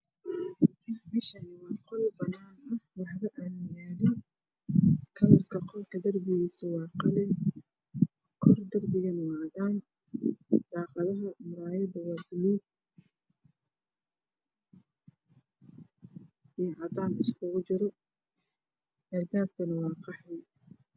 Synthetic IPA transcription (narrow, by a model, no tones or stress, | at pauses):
bɪʃɐnɪwɑːqɔlbɐnːaːnɐhwɑħlɐʔaːnjaːɾɪn | kʰɐlɐrkʰɐqɔlkʰɐd̪ɐrbɪɣiːsʊwɑːqɑlɪn | kʰɔrd̪ɐrbɪɣɐnɐwɑːʕd̪aːn | d̪ɑːqɑðɐɦɐmʊɾaːjɐðɐwɑːɡʊluːb | ijʕɑd̪aːnɪskʰʊɣʊt͡ʃɪɾɔ | ʔɐrd̪aːb̚kʰɐnɐwɑːqɑħwɛj